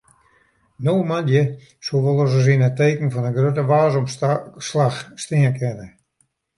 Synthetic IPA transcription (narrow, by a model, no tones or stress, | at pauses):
noːmandjə | soʋɔlˠɔs̬əz̬inəteːkən̩fɔnəɡrøtəʋaːzɔmslaxstɪəkʰɛnə